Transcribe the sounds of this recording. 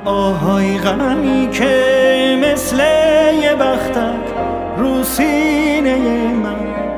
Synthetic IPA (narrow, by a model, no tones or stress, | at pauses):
ɔːɦɔjɣamiːkʰemeslejebæχt̪ʰæd̪ | ɾuːsiːnejeman